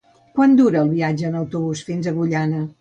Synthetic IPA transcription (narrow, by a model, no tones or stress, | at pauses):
kwand̪uɾəːlˠβiad͡ʒəːnəwt̪uβusfinzəɣuʎanə